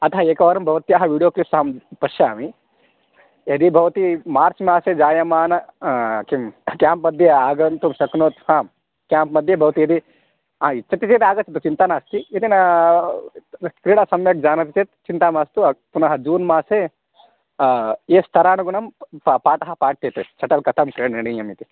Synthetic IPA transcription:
ɐt̪ʰɐɦɐeːkɐʋɐɾɐmbʱɐʋɐt̪ijaːɦɐʋiːɽijoːklipsɐɦɐmpɐʃjaːmi | ed̪ibʱɐʋɐt̪imaːɾt͡ʃmaːseːd͡ʒaːjɐmaːnɐkimkjaːmpmɐd̪ʱjeaːɡɐnt̪umʃɐknoːt̪haːm | kʲjaːmpmɐd̪ʱjɐbʱɐʋɐt̪iɐd̪i | ɦãːit͡ʃːɐt̪it͡ʃeːt̪aːɡɐt͡ʃɐt̪ut͡ʃint̪aːnaːst̪iit̪inɐ | kɾiːɽasɐmjɐk̚d͡ʒaːnɐt̪it͡ʃet̪̚t͡ʃint̪aːmaːst̪upunɐɦɐd͡ʒuːnmaːseː | eːst̪ʰɐɾaːnuɡuɳɐmppaːʈɐɦɐ̆paːʈ̚tet̪et͡ʃʰɐʈɐlkɐt̪ʰɐmkɾiːɽɐneɽijɐmit̪i

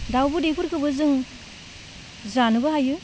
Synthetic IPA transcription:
dawbɯdepʰuɾkɯbɯzɯŋ | zanɯbɯɦajɯ

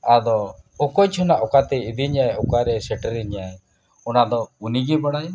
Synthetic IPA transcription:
ad̪ɔɔkɔjt͡ʃʰɔnaʔɔkat̪ɛid̪iɲajɔkaɾɛsɛʈɛɾiɲaj | ɔnad̪ɔuniɡɛbaɽaj

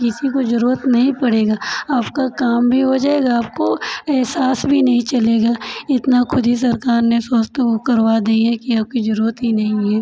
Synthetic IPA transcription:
kɪsikozɐɾuːɾət̪nɐɦĩpɐɽeːɡaːaːpkakaːmbʱiɦod͡ʒaːeːɡaːp̚koɛɦsaːsbʱinɐɦĩt͡ʃɐleːɡaɪt̪nakʰʊd̪ʱis̬ɐɾkaːɾnesɐst̪okɐɾʋad̪iːɦɛkiaːp̚kizɐɾuːɾət̪ɦinɐɦĩɦɛː

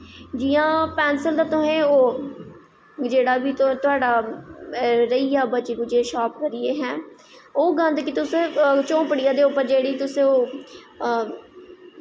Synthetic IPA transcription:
d͡ʒiːjãːpɛːnsəld̪aːt̪ʊɦẽːoː | d͡ʒeːɽaːbiːt̪ːt̪ʊɦaːɖaː | ɾəijaːbət͡ʃekud͡ʒeːʃaːpkəɾɪːeːɦɛ̃ː | oːɡə̃nd̪kit̪ʊsẽːt͡ʃõːpəɽɪjãːd̪eːʊpːəɾd͡ʒeːɽiːt̪ʊsẽːoː

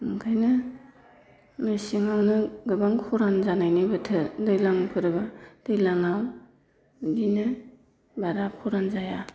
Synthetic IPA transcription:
ɯŋkʰajnɯ | mɯsiŋawnɯɡɯbaŋkʰɔɾanzanajnɯbɯtʰɯdɯjlaŋpʰɯɾɯbad̥ɯjlaŋaw | dinɯ | baɾakʰɔɾanzaja

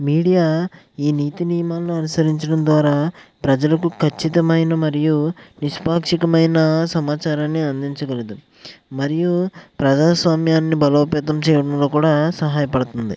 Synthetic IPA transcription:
miːɽijaː | iːniːt̪inijɐmaːlɐnuɐnusɐɾiɲt͡ʃɐɽɐmd̪ʋaːɾaːpɾɐd͡ʒɐlɐkukʰɐt͡ʃːit̪ɐmɐjnɐmɐɾijuniʂpaːkʂikɐmɐjnɐsɐmaːt͡ʃaːɾaːnːiɐnd̪iɲt͡ʃɐɡɐlid̪u | mɐɾijupɾɐd͡ʒaːsʋaːmjaːnːibɐloːpɛːt̪̬ɐmt͡ʃɛːjɐɽɐmlo̞ːkuːɽaːsɐɦaːjɐpɐɽut̪und̪ḭ

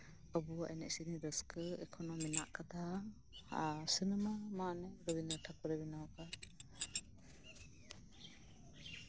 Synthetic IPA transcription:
ɔbuwaʔɛnɛ̰ʔsiniɾəskəɛkʰɔnɔminaʔkad̪a | sinəmamanɛɾɔbinəɾʈʰakɔɾɛbɛnawaka

